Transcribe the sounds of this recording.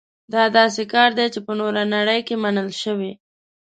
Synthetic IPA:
d̪ɑd̪ɑs̬ekɑɾd̪et͡ʃepənoɾanaɽəjkemanəlʃəwe

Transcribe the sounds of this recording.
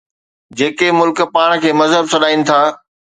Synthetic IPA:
d͡ʑeːkemʊlkpaːɽ̃̆kʰeːmɐzɦəbsɐɗaːinɪ̆t̪ʰaː

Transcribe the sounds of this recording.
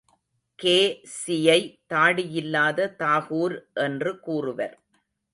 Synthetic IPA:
keːsɪjɐɪt̪aːɽɪjɪlːaːðɐt̪aːɣuːɾʔɛndrɯkuːrɯʋɐ̰ɾ

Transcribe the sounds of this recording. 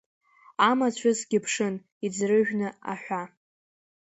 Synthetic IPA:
amat͡ɕʷʰʊsɡʲɪpʰʂɨn | id͡zrɨʒᶣnɨa̰ħʷᶣa

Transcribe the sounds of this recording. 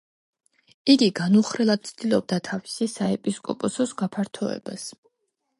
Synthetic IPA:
iɡiɡanuχɾɛlˠad̪̚t̪sʰd̪̥ilˠɔb̚d̪at̪ʰavisisaɛpʼiskʼɔpʼɔsɔsɡapʰaɾt̪ʰɔɛ̰ba̰s

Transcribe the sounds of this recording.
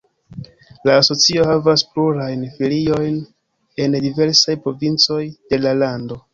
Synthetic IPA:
laːso̞t͡sio̞havaspluɾajnfilio̞jn | e̞ndive̞ɾsajpɾo̞vint͡so̞jd̥e̞lalando̞

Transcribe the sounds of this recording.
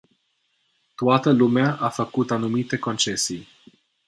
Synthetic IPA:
t̪uat̪əlumeaʔafəkut̪anumit̪e̞ko̞nt͡ʃe̞sij

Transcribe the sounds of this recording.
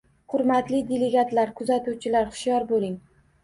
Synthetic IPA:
hʊɾmat̪lɪd̪eleɡʲat̪laɾkʰʊzat̪uwt͡ʃʰɪlaɾχʊ̥ʃjɒɾbolˠɪŋ

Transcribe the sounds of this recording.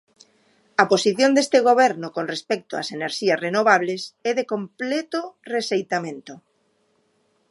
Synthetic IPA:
aposiθjond̪est̪eɣ̞oβ̞ɛɾnokonrespɛk̚t̪oa̰seneɾʃiasrenoβ̞aβ̞lesɛðekomplet̪oresejt̪amẽnt̪o

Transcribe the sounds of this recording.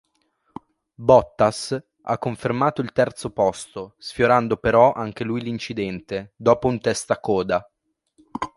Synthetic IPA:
bɔt̪ːas | a̰kːoɱfermaːt̪oilt̪ɛrt̪sopɔst̪osfjoɾand̪opeɾɔʔaŋk̟elujlint͡ʃid̪ɛnt̪ed̪oːpount̪ɛst̪akɔːd̪a

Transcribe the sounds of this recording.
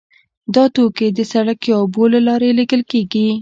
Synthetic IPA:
d̪ɑt̪oked̪əsaɽakjɑbolalɑɾelekəlkeɡi

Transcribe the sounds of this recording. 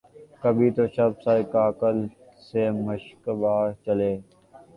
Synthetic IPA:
kəbʱiːt̪oːʃəbsaːikaːkəl | seːməʃkbaːɾt͡ʃəleː

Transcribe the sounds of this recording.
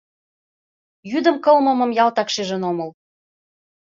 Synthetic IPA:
jyd̪ə̆mkɤlmɤ̆mɤ̆mjɑlt̪ɑkʃeʒə̆nomɤ̆l

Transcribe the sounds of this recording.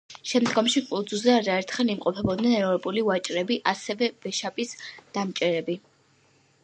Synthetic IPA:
ʃɛmd̪ɡɔmʃikʼud̪zuzɛaɾaɛɾt̪ʰχɛlˠimqʼɔpʰɛbɔd̪nɛnɛɾɔɾpʼuliwat͡ʃʼɾɛbiʔasɛvɛvɛʃapʼisd̪̥amt͡ʃʼɛɾɛbi

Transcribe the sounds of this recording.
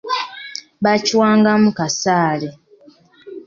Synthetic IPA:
βaciwaːŋɡamukasaːle

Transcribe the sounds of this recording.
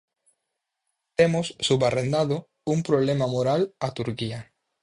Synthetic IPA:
t̪emosːuβarend̪aðo | umpɾoβlemamoɾalat̪uɾkia

